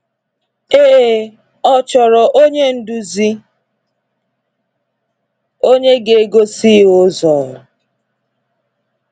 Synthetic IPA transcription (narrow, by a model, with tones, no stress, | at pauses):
eː˦˨ | ɔ˦t͡ʃɔ˨ɾɔ˨ʔo˦ɲe˦n̩˦du˨zi˦ | o˦ɲe˦ɡe˨e˦ɡo˦si˦ʊ˦zɔ˨ɾʊ˨